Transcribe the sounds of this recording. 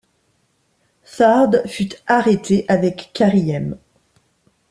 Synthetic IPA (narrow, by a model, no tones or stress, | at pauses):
saʁd̪fyt̪aʁet̪ʰeʔavɛkːaʁijɛm